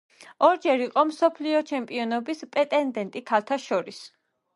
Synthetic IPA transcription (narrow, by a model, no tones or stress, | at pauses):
ɔɾd͡ʒɛɾiqʼɔmsɔpʰliɔt͡ʃʰɛmpʼiɔnɔbispʼɛt̪ʼɛnd̪ɛnt̪ʼikʰalˠt̪ʰaʃɔɾis